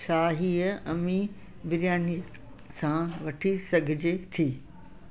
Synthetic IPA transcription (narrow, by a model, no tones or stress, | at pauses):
ʃaːɦiːəɐmi | bɪɾjaːni | sãʋɐʈʰisɐɡʱɪd͡ʑet̪ʰiː